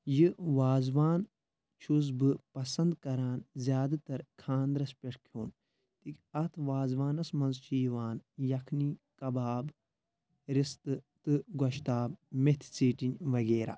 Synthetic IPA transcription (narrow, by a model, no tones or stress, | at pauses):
jɨʋaːzʋaːn | t͡ʃʰuzbɨpɐsɐnd̪kɐɾaːnzʲjaːd̪at̪ɐɾkʰaːnd̪ɾɐspʲeʈʰkʰoːn | t̪ikʲɐt̪ʰʋaːzʋaːnɐsmɐnzt͡ʃiːʋaːnjɐkʰniːkɐbaːb | ɾist̪ɨt̪ɨɡɐʃt̪aːbmet̪ʰt͡siːʈinʋɐɡeːɾa̰ː